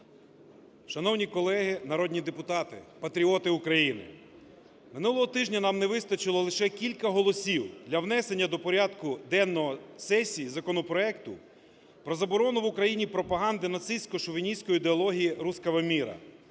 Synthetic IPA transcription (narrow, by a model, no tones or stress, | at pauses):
ʃɐnɔwnʲikɔlˠɛɦɪnɐɾɔd̪ʲnʲid̪epʊt̪ɑt̪ɪ̰pɐt̪ɾʲiɔt̪ɪʊkɾɐjinɪ̰ | mɪnulˠɔɦɔt̪ɪʒnʲɐnɑmneʋɪst̪ɐt͡ʃɪlˠɔlˠɪʃɛkʲilʲkɐɦɔlˠɔsʲiwd̪lʲɐwnɛse̞nʲːɐd̪ɔpɔɾʲɑd̪kʊd̪ɛnːɔɦɔsɛsʲijizɐkɔnɔpɾɔɛkt̪ʊ | pɾɔzɐbɔɾɔnʊʋʊkɾɐjinʲipɾɔpɐɦɑnd̪ɪnɐt̪sɪsʲkɔʃɔʋʲinʲijsʲkɔjid̪eɔlˠɔɦʲijiɾuskɐʋɐmʲiɾɐ̰